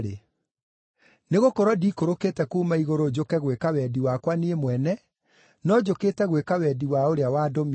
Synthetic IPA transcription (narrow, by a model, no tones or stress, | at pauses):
ɾe | neɣokɔɾɔdikoɾokeːtɛkuːmaiɣoɾod͡ʒokɛɣwekawɛdiwakwaniemwɛnɛ | nɔd͡ʑokeːtɛɣwekawɛdiwaoɾeawaːdɔm